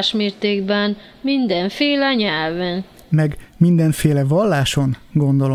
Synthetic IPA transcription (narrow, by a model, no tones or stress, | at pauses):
ʃmeːrt̪eːɡbɛn | mind̪ɛɱfeːlɛɲɛlvɛn | mɛɡmind̪ɛɱfeːlɛvɒlːaːʃo̞nɡo̞nd̪o̞lo